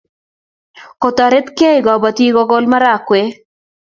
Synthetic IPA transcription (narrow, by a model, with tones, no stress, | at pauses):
kɔ˨t̪a˨ɾe˦t̪ke˦ɪ˨ɡɔ˨ba˨t̪i˦ɡɔ˦ɡɔ˦lma˦ɾa˨kwe˦